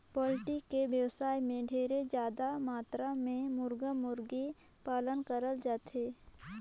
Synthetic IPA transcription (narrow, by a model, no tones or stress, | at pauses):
pɔːlɪʈɪkkeʋjəwsaːimẽɖʱeːɾed͡ʒjaːd̪amaːt̪ɾamẽmʊɾɡəmʊɾɡe | paːlənkəɾəld͡ʒaːt̪ʰeː